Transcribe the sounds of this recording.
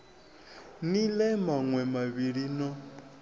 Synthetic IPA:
nilɛmaŋwɛmaβiɺinɔ

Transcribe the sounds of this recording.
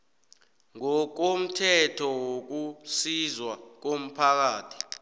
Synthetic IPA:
ŋɔk̬om̩tʰɛtʰɔwok̬usizwak̬om̩pʰak̬aːtʰi̥

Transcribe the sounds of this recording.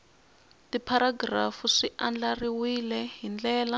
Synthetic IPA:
tipʰaɾaɡrafuʂiʔand͡ɮariwilɛɦind͡ɮɛːla

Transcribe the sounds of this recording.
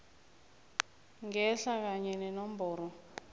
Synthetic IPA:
ŋɛɬak̬aɲɛnɛnɔmbɔːrɔ

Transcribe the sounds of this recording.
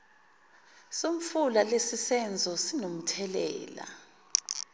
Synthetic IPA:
somfulalesisɛnd͡zʱɔsinom̩tʰɛlɛ̰ːla̰

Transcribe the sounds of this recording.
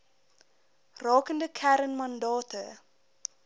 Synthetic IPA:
rɑːkəndəkʰæɾənmɐndɑːtə

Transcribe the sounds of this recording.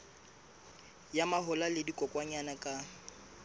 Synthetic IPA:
jamaɦʊlalɪdikʼɔkʼwaɲanakʼa

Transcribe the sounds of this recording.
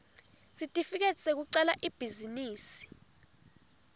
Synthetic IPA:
sitʼifik̬ɛtʼsek̬uǀɛlaʔib̥ʱiziniːsi̥

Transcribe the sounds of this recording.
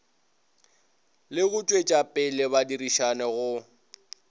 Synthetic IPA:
lɪɣʊt͡ʃʼwet͡ʃʼapʼɪlɪbadiriʃanɛɣʊ

